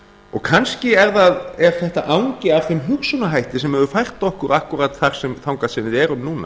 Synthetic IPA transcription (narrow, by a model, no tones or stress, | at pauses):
ɔ̰ɣkʰanscɪɛɾðaðɛɾ̥θɛht̪aʔaːwŋcɪavθʏmɦʏɣsunaɦajht̪ɪsɛmɛvʏfajr̥t̪ɔhkʏɾʔahkuɾat̪θaɾ̥sɛmθawŋkasɪnːɪɾɛɾʏmnuːna̰